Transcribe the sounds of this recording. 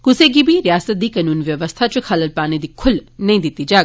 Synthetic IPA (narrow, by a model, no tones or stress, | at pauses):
kʊseɡibiɾjaːsət̪̚d̪iːkɐnuːnʋjɐʋəst̪ʰat͡ʃukʰaːləlpaːned̪ikʰʊlnɐĩd̪it̪id͡ʒaːɡ